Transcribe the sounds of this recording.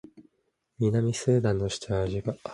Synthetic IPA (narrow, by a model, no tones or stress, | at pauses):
mʲinamʲisɨːd̪ãnːo̞ɕi̥t͡ɕaːʑiɡa